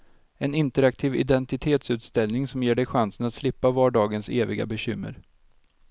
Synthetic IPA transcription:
ɛnɪnt̪əɾak̚t̪ʰiːvɪ̰d̪ɛnt̪ɪt̪ʰeːt̪sʉ̟ːt̪st̪ɛlnɪŋsɔmjeːɖɛjɧansənat̪slɪpːavɑːɖɑːɡənseːvɪɡa̰bɛɕʏmːə̰ɾ

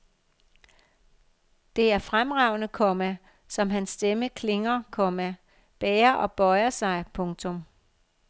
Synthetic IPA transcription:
d̥e̝æɐfʁamʁɑ̈ʊ̰nəkʰɒmæ | sɒ̽mɦænsːd̥eməkʰle̝ŋɐkʰɒmæ | b̥ɛːɐʔɒ̽b̥ɒ̽ɪɐsɑ̈ɪpʰɔ̽ŋt͡sʰɔ̽m

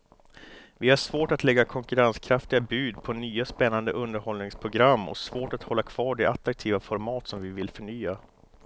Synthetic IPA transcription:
vɪhaʂvoːʈat̪lɛɡːakʰɔŋkɵɾanskʰɾaft̪ɪɡabʉːd̪pʰɔnyːaspɛnːand̪əʔɵnd̪əɾhɔlnɪŋspʰɾʊɡɾamːɔ̰svoːʈat̪hɔlːakʰv̥ɑːɖɛʔat̪ɾak̚t̪ʰiːvafɔɾmɑːt̪sɔmvɪvɪlfœɳyːa

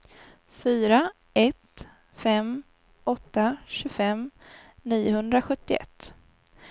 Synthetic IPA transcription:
fyːɾa | ɛt̪ | fɛm | ɔt̪ːaɕʉfɛmniːʊhɵnd̪ɾaɧɵt̪ːɪɛ̰t̪ː

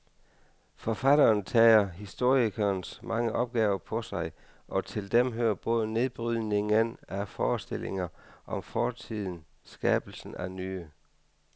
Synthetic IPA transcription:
fɒfæd̥ɐːnt͡sʰɛ̰ːɐɦisd̥o̝ɐ̰ikʰɐːnsmʔɑ̈ŋəʔɒ̽b̥̚ɡ̥ɛːʊɐpʰɒ̽sɑ̈ɪ | ʔɒ̽t͡sʰe̝ld̥emɦøːɐb̥ɔ̽ːðˠəne̝ðˠb̥ʁyðˠne̝ŋənæfɒːsd̥e̝lʔe̝ŋɐʔɒ̽mfɒːt͡sʰið̞̰ˠn̩ | sɡ̥ɛːb̥l̩sn̩ænyːə

